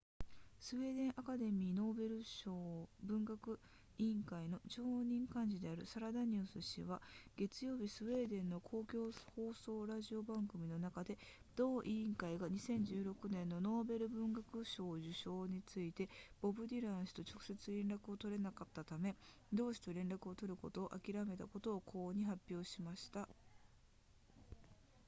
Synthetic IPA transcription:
sɨβe̞ːd̪ẽ̞ɰ̃ʔakad̪e̞mʲiːno̞ːbe̞ɾɯ̟ɕobɯ̟̃ŋɡakɯ̟ | ĩŋkaino̞ʑo̞ːɲ̟ĩŋkãɲ̟d͡ʑid̪e̞aɾɯ̟saɾad̪aɲ̟ɨːsɨɕḭβaɡ̥e̞t͡sɨjo̞ːbʲisɨβe̞ːd̪ẽ̞nːo̞kʰo̞ːkʲo̞ːho̞ːso̞ːɾaʑio̞bãŋɡɯ̟mʲino̞nakad̪e̞d̪̥o̞ːʔiĩŋkaiɡaɲ̟isẽ̞ɲ̟d͡ʑɨːɾo̞kɯ̟nẽ̞nːo̞no̞ːbe̞ɾɯ̟bɯ̟̃ŋɡakɯ̟ɕo̞ːʑɨɕo̞ːɲ̟it͡sɨit̪e̞b̥o̞bɯ̟d̪ʲiɾãɰ̃sɨ̥t̪o̞t͡ɕo̞kɯ̟̥se̞t͡sɨɾẽ̞nɾakɯo̞t̪o̞ɾe̞nakat̪ːat̪ame̞ | d̪o̞ːɕi̥t̪oɾẽ̞nɾakɯ̟o̞t̪o̞ɾɯ̟ko̞t̪o̞ːʔakʲiɾame̞t̪a̰ko̞t̪o̞ːkʰo̞ːɲ̟iɦapʲːjo̞ːɕimaɕi̥t̪a

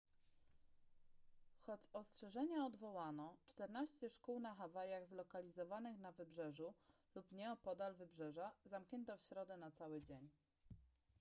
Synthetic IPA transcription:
xɔt͡ɕɔstʂɛʐɛɲaɔd̪vɔwanɔt͡ʂt̪ɛɾnaɕt͡ɕɛʂkuwnaxavajaɣzlɔkalʲizɔvanɘxnavɘbʐɛʐulupɲɛɔpɔd̪alvɘbʐɛʐazamkɲɛnt̪ɔfɕɾɔd̪ɛnat̪sawɘd͡ʑeɲ

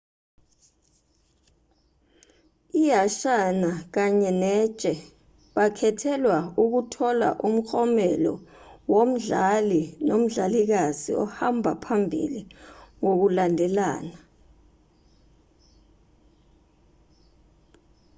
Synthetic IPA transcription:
ijaʃanak̬aɲɛnɛt͡ʃʼɛ | ɓakʰɛtʰɛlwauk̬utʰɔla̰ʔum̩xɔmɛlɔ̰wom̩ɮalinom̩ɮalik̬azḭɔhambʱapʰambʱḭliŋok̬ulandʱɛla̰ːna

